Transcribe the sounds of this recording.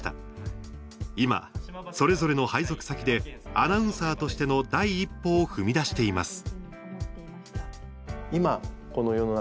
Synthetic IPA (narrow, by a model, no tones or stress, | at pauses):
t̪a̰ | ima̰so̞ɾe̞zo̞ɾe̞no̞haizo̞kɯ̟̥sakʲid̪e̞anaɯ̟̃ɰ̃saːt̪o̞ɕi̥t̪e̞no̞d̪aiːpːo̞ːhɯ̟mʲid̪aɕi̥t̪e̞ima̰sɨ̥ | ima | ko̞nojo̞no